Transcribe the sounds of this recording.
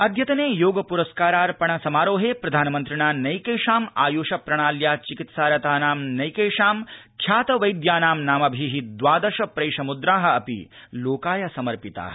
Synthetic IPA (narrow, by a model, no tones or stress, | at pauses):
ɐd̪ʱjɐt̪ɐneːjoːɡɐpuɾɐskaːɾaːɾpɐɳ̃ɐsɐmaːɾoːɦeːpɾɐd̪ʱaːnɐmɐnt̪ɾiɳaːnɐjkeːʂaːmaːjoːʃɐpɾɐɳ̃aːljaːt͡ʃikit̪saːɾɐt̪aːnaːmnɐjkeːʂaːmkʰjaːt̪ɐʋɐjd̪jaːnaːmnaːmɐbʱiɦid̪ʋaːd̪ɐʃɐpɾeːʂɐmud̪ɾaːɦɐ̆ɐpḭloːkaːjɐsɐmɐɾpit̪a̰ːɦɐ